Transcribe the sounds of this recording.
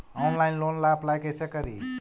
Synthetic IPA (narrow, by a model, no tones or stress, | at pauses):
ɔwnlajnlonlapʰlajkəjsəkəɾi